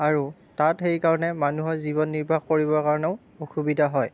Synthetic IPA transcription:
aɹu | tatxejkaɹɔnɛmanuɦɔziβɔnːiɹbʱaxkoɹibɔɹkaɹɔneʊ | oxubidʱaɦɔj

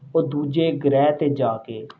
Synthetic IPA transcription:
oːd̪uːd͡ʒeːɡəɾɛːt̪eːd͡ʒaːkeː

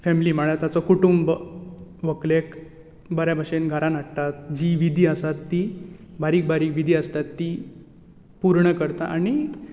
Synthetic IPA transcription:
fɛmiliːməɭat̪at͡sɔkuʈumb | ʋəklek | bəɾjabʱəʂenɡʱaɾanəʈt̪at̪̚d͡ʑiʋid̪ʱiːəsat̪ːibaɾiːk̚bʱaɾiːkʋid̪ʱiːəst̪at̪ːi | puɾɳəkəɾt̪aʔañi

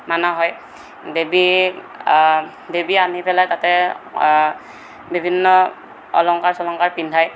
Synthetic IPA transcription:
manaɦɔj | debi | debianipɛlajtatɛ | bibʱinːɔ | ɔ̰lɔŋkaɹsɔlɔŋkaɹpindʱaj

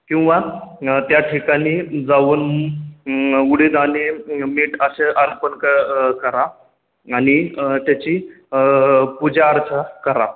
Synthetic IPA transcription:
kĩw̃ʋat̪jaʈʰikaɽ̃iːd͡zauːn | uɽed̪animiːʈəseʔəɾpənkəkəɾaː | ñit̪jat͡ɕiː | pud͡ʑaːɾt͡sʰakəɾa̰

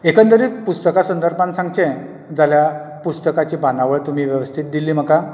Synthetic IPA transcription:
ekənt̪əɾiːpust̪əkasənd̪ʱəɾpãnsãŋɡt͡ɕɛ̃ | d͡zalja | pust̪əkat͡ɕiːbanaʋəɭt̪um̤iːʋjəʋəst̪ʰit̪̚d̪ilːiːm̤əka

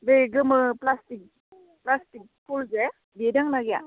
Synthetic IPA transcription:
beɡɯmɯplastik̚ | plastik̚pʰulze | bedaŋnaɡja

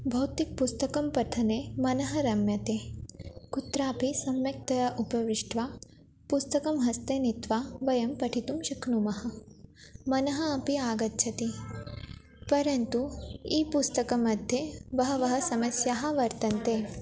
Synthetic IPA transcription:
bʱɐwt̪ik̚pust̪ɐkɐmpɐt̪ʰɐnemɐnɐɦɐɾɐmjɐt̪eːkut̪ɾaːpisɐmjɐk̚t̪ɐjɐʔupɐʋiʂʈʋaː | pust̪ɐkɐmɦɐst̪eːnit̪ʋaːʋɐjɐmpɐʈʰit̪umʃɐkʰnumɐɦɐ̆ | mɐnɐɦɐɐpiaːɡɐt̪ːt͡ʃʰɐt̪i | pɐɾɐnt̪uiːpust̪ɐkɐmɐd̪ʱjeʋɐɦɐʋɐɦɐsɐmɐsjaːɦɐ̆ʋɐɾt̪ɐnt̪eː

